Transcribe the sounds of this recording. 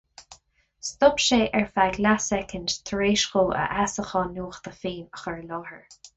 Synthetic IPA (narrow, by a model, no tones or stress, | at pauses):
st̪ʊpʃeːʔɛɹfaɡlasɛkʰəndt̪ʰɹeːʃxoːə̰ʔasəxɔnuːxd̪̥əfiːməxəɹlɔːhəɹ